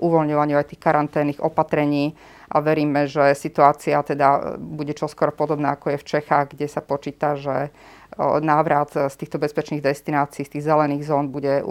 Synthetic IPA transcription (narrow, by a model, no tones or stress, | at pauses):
ʔuʋɔlɲɔʋaɲuajt̪iːxkaɾant̪ɛːnːiːɣɔ̰pat̪ɾɛɲiː | ʔaʋɛɾiːmɛʒɛsit̪uaːt͡siat̪ɛd̪abuɟɛt͡ʃɔskwɔɾɔpɔd̪ɔbnaːakɔjɛft͡ʃɛxaːɣɡɟɛsapɔt͡ʃiːt̪aʒɛ | naːʋɾat̪st̪iːxt̪ɔbɛspɛt͡ʃniːɣd̪ɛst̪inaːt͡siːst̪iːɣzɛlɛniːɣzɔːnbuɟɛ